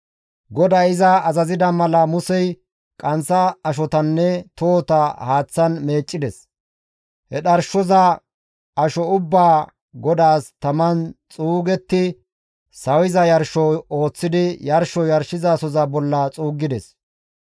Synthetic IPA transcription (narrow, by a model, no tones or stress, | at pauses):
ɡɔd̪ɐɪzɐːzɐzɪd̪ɐmɐlɐmʊsɛj | kʼɐnsɐɐʃ̬ɔt̪ɐnːɛt̪oːt̪ɐhaːt͡sːɐnme̞ːt͡ʃʼːɪd̪ɛs | hɛɗɐɾʃɔzɐ | ɐʃɔʊbːaː | ɡɔd̪aːst̪ɐmɐnt͡sʼuːɡɛt̪ːɪ | sɐwɪzɐjɐɾʃɔoːt͡sːɪd̪ɪjɐɾʃɔjɐɾʃɪzasɔzɐbɔlːɐt͡sʼuːɡɪd̪ɛs